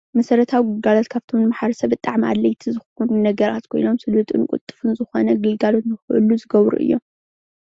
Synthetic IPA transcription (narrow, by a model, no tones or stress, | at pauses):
mɐsɐɾɐt̪ʰawiɡɨlɡalot̪kʰaβt̪ʰo̞mnɨmaħaɾɐsɐβɨt̪ʼːaʕmiʔa̰d̪lɐjt̪ʰizɨxunnɐɡɐɾa̰t̪kʰo̞̰jno̞msɨlut̪ʼɨ̰nkʷʼṵt̪ʼːɨ̥fɨnzɨxo̞nɐɡɨlɡalo̞t̪nɨxɨʔɨ̰luzɨɡɐβɾṵʔɨ̰jːom